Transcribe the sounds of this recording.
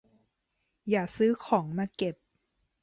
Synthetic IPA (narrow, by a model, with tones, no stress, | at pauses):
jaː˨˩sɯː˦˥kʰɔː˩˦ŋmaː˧˥ke˨˩p̚